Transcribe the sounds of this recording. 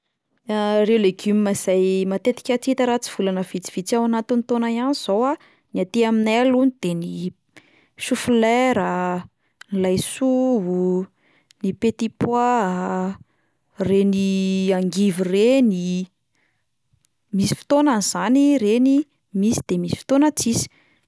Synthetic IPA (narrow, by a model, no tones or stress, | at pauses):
rewleɡummaz̥ajmat̪et̪i̥kʲat͡sit̪əɾat͡si̥v̥ulanəvit͡si̥v̥it͡siawanat̪init̪onaianiz̥owa | niat̪iaminɛluɲid̪̥eni | ʃufilɛɾa | nilajsuɦu | nipet̪ipwa | reniaŋɡivireni | misi̥fi̥t̪onaniz̥aniɾeni | misi̥d̪̥emisi̥fi̥t̪onat͡sisi̥